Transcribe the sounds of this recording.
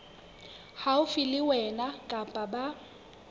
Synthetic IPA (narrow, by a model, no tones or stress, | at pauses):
haʊfɪlɪwɛnakʼapʼaba